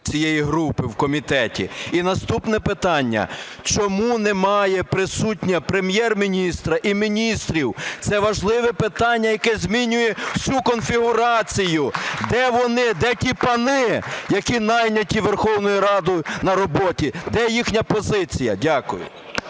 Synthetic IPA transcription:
t͡sʲijejiɦɾupɪwkɔmʲit̪ɛtʲḭinɐst̪upnɛpɪt̪ɑnʲːɐ̰ | t͡ʃɔmunɛmɑjɛpɾɪsutʲnʲɐpɾemjɛrmʲinʲist̪ɾɐʔimʲinʲist̪ɾʲiwt̪sɛʋɐʒlˠɪʋɛpɪt̪ɑnʲːɐjɐkɛzʲmʲinʲʊjɛwsʲukɔnfʲiɦʊɾɑt͡sʲijʊd̪ɛʋɔnɪd̪ɛtʲipɐnɪjɐkʲinɑjnʲɐtʲiʋerxɔwnɔjʊɾɑd̪ʊjʊnɐɾɔbɔtʲid̪ɛjixnʲɐpɔzɪt͡sʲijɐ̰dʲakʊjʊ̰

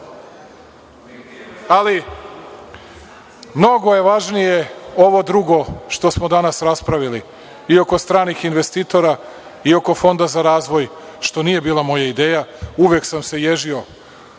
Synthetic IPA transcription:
ali | mno̞ɡo̞je̞ʋaʒnije̞o̞ʋo̞d̪ɾuɡo̞ʃt̪o̞smo̞d̪anasɾaspɾaʋili | io̞ko̞st̪ɾaːnixinʋe̞st̪iːt̪o̞ɾa | io̞ko̞fo̞nd̪azaɾaːzʋo̞j | ʃt̪o̞nije̞biːlˠamo̞jaid̪eːjauʋjeksamse̞jeʒio̞

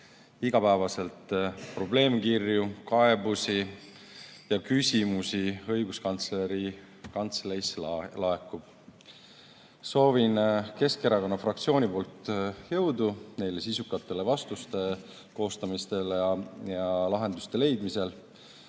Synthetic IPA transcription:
iɡ̥ɑpæevɑse̞lt̪pro̞ble̞ːmkirjukɑe̞busi | jɑkysʲimusiɤ̞jɡ̥uskɑnt̪sle̞ɾi | kɑnt̪sleisllɑekːˑub̥ | so̞ːvinke̞skeɾɑko̞nːɑfrɑk̚t̪sio̞ːnʲipo̞ːlt̪jɤ̞wd̪une̞jle̞sisukːˑɑt̪ːˑe̞le̞vɑst̪ust̪e̞ | ko̞ːst̪ɑmist̪e̞ljɑjɑlɑɦe̞nd̪̥ust̪e̞le̞jd̪mise̞l

